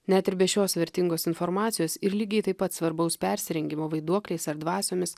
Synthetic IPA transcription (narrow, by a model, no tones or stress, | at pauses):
nʲæːt̪ʲɪɾbʲɛʃʲoːsʋʲɛɾʲt̪ʲɪŋɡoːsɪnfɔɾmɑːt̪sʲɪjoːsɪɾlʲiːɡʲɛɪt̪ɐɪpɐt̪sʋɐɾbɐʊspʲɛɾʲsʲɪɾʲɛŋʲɡʲɪmoːʋɐɪd̪uɔklʲɛɪsɐɾd̪ʋɑːsʲoːmʲɪs